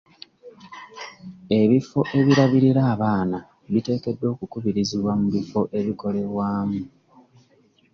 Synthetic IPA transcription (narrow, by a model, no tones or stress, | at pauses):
e̞βifo̞ʔe̞βiɾaβiɾiɾaːβaːna | βite̞ːke̞dːo̞ːkukuβiɾiziβwamuβifo̞ʔe̞βiko̞le̞βwaːmu